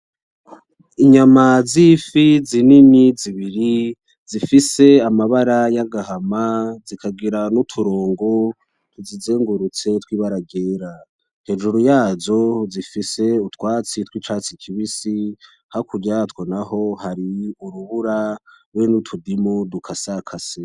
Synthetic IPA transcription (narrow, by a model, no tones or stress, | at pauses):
iɲamazifizininiziβiɾi | zifise̞amaβaɾajaɡahamazikʰaɡiɾanutʰuɾoːŋɡo̞ | tʰuzizeːŋɡuɾut͡se̞twiːβaɾaɡe̞ːɾa | he̞ʒuɾujaːzo̞zifise̞utwaːt͡sitwiːt͡ʃaːt͡sikʰiβisi | hakuɾɟatwonaho̞haɾiuɾuβuɾaɾwenutʰudimudukʰasakʰasi